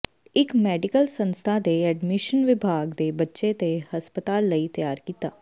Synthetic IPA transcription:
ɪkmɛːɖɪkəlsə̃nst̪ʰaːd̪eɛːɖmɪʃənʋɪbʱaːɡd̪eːbətːʃet̪ehəspət̪aːlːəiːt̪əjaːɾkiːt̪aː

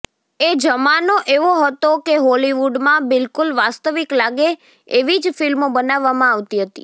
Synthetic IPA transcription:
ed͡ʒəmanoʔeʋoɦət̪okeɦɔliʋuɖmãbɪlkulʋast̪əʋiklaɡe | eʋid͡ʒfɪlmobənaʋːamãaʋt̪iɦət̪ḭ

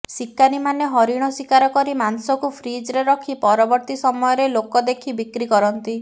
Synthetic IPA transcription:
sikːanimaneɦɔɾiɽ̃ɔsikaɾɔkɔɾimansɔkupʰɾid͡ʒɾeɾɔkʰipɔɾɔbɔɾt̪isɔmɔjɔɾelokɔd̪ekʰibikɾikɔɾɔnt̪i

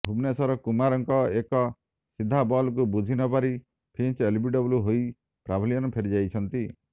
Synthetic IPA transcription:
bʱubnesɔɾɔkumaɾɔŋkɔekɔ | sid̪ʱabɔlkubud͡ʒʱinɔpaɾi | pʰint͡ʃelbiɖɔbuluɦoj | pɾabʱilijɔnɔpʰeɾid͡ʒajt͡ʃʰɔnt̪i

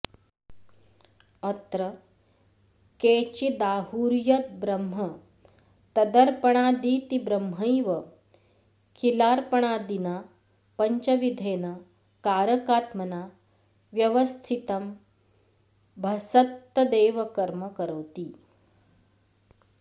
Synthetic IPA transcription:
ɐt̪ɾɐ | keːt͡ɕid̪aːhuːɾjɐt̪̚bɾɐmɦɐ | t̪ɐd̪ɐɾpɐɳ̃aːd̪iːt̪ibɾɐmɦɐjʋɐ | kʰilaːɾpɐɳ̃aːd̪ina | pɐɲt͡ʃɐʋid̪ʱeːnɐ | kaːɾɐkaːt̪mɐnaː | ʋjɐʋɐst̪ʰit̪ɐm | bʱɐsɐt̪ːɐd̪eːʋɐkɐɾmɐkəɾɐwt̪iː

